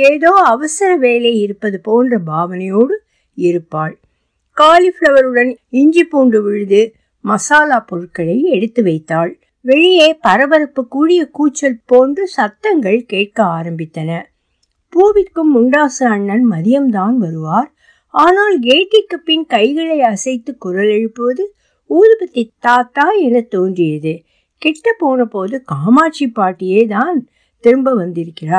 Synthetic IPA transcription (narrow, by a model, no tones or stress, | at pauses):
eːðoːɐʋɐsɐɾɐʋeːleɪɾɯpːɐðɯpoːndrɐbʱaːʋɐnɐjoːɽɯ | ɪɾɯpːaːɭ | kaːlɪfɭɐʋɐɾɯɽɐnɪɲd͡ʒɪpːuːɳɖɯʋɪɻɯðɯ | mɐsaːlaːpɔɻɯʈkːɐɭɐɪɛɽɯt̪ːɯʋɐɪt̪ːaːɭ | ʋɛɻɪjeːpɐɾɐbɐɾɐpːɯkːuːɽɪjɐkuːt͡ʃːɐlpoːndrɯsɐt̪ːɐŋɡɐɭkeːʈ̚kɐaːɾɐmbɪt̪ːɐnɐ | poːʋɪkːɯmːʊɳɖaːsɐɐɳːɐnmɐðɪjɐmt̪aːnʋɐɾɯʋaːɾ | aːnaːlɡeːʈːɪkːɐpːɪnkɐɪɣɐɭɐɪɐsɐɪt̪ːɯkːʊɾɐlɛɻɯpːɯʋɐðɯ | uːðɯbɐt̪ːɪt̪ːaːt̪ːaːɛnɐt̪oːndrɪjɐðɯ | kɛʈːɐpːoːnɐpoːðɯkaːmaːt͡ʃːipːaːʈːɪjeːt̪aːn | t̪ɪɾɯmbɐʋɐnd̪ɪɾɯkːɪraːɾ